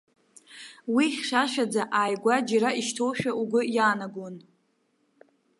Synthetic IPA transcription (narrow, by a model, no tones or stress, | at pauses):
wiχʲʃaʃᶣad͡zaʔaːjɡʷad͡ʒaɾaiʃtʰowʃᶣauɡʷʊjaːnaɡʷon